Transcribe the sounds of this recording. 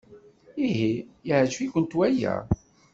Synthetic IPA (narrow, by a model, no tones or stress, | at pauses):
iɦijəʕʒfikʷənt̪wæjæ̰